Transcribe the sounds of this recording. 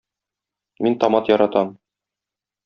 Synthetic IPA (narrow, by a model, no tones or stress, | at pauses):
mint̪ɒmɑt̪jɒɾɑt̪ɑm